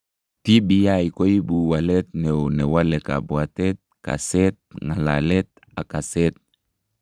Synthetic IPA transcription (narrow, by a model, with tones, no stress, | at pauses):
ti˦bi˨ja˦i˨ko˦i˦bu˨wa˨lɛ˦t̚nɛ˨o˨nɛ˨wa˦lɛ˨ka̰˨bwa˨tɛ˦t̚ka̰˨sɛ˦t̚ŋa˨la̰˨lɛ˦t̚ | a˨ka˨sɛ˦t̚